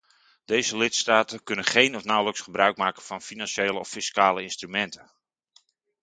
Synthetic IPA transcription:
d̥ejzəlɪtstaːtənkɵnənχejnɔfnawləksχəbrœɥk̚maːkəv̥ɑnfinanʃeːləɔfiskaːləɪnstrymɛntə

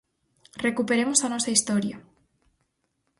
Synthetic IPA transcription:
rekupeɾemosanosaist̪oɾja

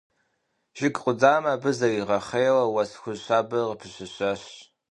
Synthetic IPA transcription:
ʒ̥ɪkʼqʼʷʊd͡zaːmɐbɨzɐwiʁɐχejwɐwɐsxʷʊzɕʷaːbɐʁəpʰɨɕɨɕʷɐɕ

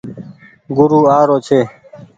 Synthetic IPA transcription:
ɡʊɾuːaːɾoːt͡ʃʰeː

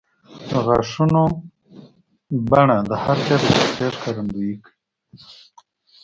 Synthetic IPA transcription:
d̪əɣaʂuno | baɳad̪əhaɾkaɾəsatjaɾkaɾand̪uik

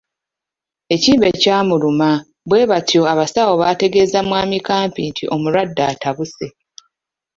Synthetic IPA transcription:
e̞ciːmbe̞caːmuluma | βwe̞ːβatjo̞aβasawo̞βate̞ɡe̞zamwaːmikaːmpintʰiʔo̞muɾwadːaːtaβuse̞

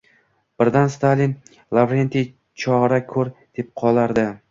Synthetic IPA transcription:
b̥ɪɾd̪anst̪alin | lˠavɾent̪ʰi | t͡ʃʰɒʁɾakʲʰɵɾd̪̥e̞p̚qʰɒlˠaɾd̪ɪ

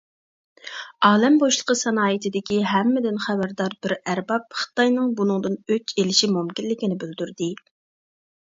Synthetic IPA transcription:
ɑːlɛmboʃlˠəqʰəsɛnɑːjɨt̪ʰɪd̪ɪkʲʰiɦɛmːɪd̪ɪnχæbæɾd̪ɑɾbɪɾæɾbɑp̚χɨ̥t̪ɑjnɨŋbunɨŋd̪ɨnøt͡ʃelɪʃimumkʲinlɪkʲinɪbøld̪yɾd̪ɪ

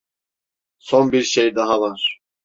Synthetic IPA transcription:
sonbiɾʃejd̪aɦavaɾ̥

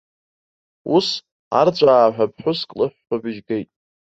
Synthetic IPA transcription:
us | a̰rt͡ɕʷʼaːħᶣʷap̚ʰħʷʊskʼlɨħʷᶣːabɪʒɡe̞jtʼ

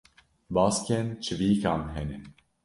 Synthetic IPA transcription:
bɑːskʲɛnt͡ʃʰɨviːkɑːnɦɛnɨn

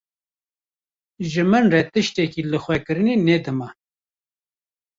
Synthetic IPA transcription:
ʒɨmɨnret̪ɨʃt̪ɛkilɨxʷɛkɨɾɨnened̪ɨma

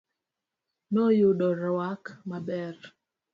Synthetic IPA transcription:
nɔjʊɗɔɾwakmabɛɾ

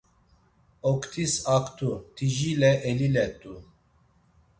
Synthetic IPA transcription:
okt̪ʰisakt̪ʰut̪ʰiʒilɛʔelilɛt̪ʼu

